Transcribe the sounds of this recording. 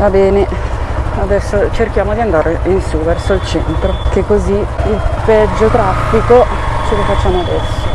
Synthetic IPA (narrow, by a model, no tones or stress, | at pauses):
vabɛːne | ad̪ɛsːot͡ʃerkjaːmod̪iand̪aːɾeinsuvɛrsoilt͡ʃɛ̰nt̪ɾokekːoziilpɛd͡ʒːot̪ɾafːiko | t͡ʃelofat͡ʃːaːmoad̪ɛrsːo